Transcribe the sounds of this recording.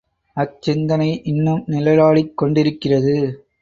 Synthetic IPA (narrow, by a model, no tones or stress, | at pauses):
ɐt͡ʃɪnd̪ɐnɐɪʔɪnːɯmnɪlɐɾaːɭɪkːɔɳɖɪɾɯkːɪrɐðɯ